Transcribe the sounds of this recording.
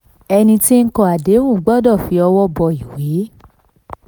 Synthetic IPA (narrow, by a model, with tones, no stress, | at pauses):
ɛ˧nĩ˧ti˦ŋ̩˦kɔ̃˧a˨de˨˦wũ˦˨˦ɡ͡bɔ˦dɔ˦˨fi˨˧˦ɔ˧wɔ˦bɔ˧i˨we˨˦